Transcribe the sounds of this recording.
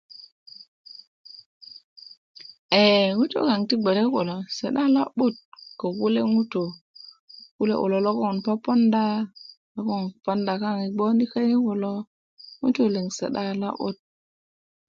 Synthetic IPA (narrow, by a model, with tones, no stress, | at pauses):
e˨ŋu˦to̰˦ka˨ŋti˦ɡ͡be˨ɾe˦ko˨lo˨se˨ɗa˦la˦bu˦˨t̚ko˨ku˦le˦ŋu˦to˨ | ku˦lḛ˦ʔo̰˨lo˨lo˦ko˦˨npa˦pa˦nda˦ | lo˦ko˦npa˦nda˨ka˦ŋi˨ɡ͡bo˦ni˦ka˦ji˦ko˨lo˦ | ŋṵ˦to˦˨le˨ŋsḛ˨ɗa˦la̰˦ʔo̰˦t̚